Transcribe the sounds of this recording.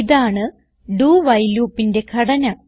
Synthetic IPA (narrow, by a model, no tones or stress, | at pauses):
iðaːɳɨ | ɖuːʋɐjluːpːinde̞kʰɐɽɐnɐ